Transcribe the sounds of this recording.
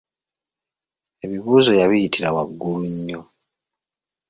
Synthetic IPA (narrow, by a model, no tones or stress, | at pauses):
e̞βiβuːzo̞jaβijitʰiɾawaɡːuluɲːo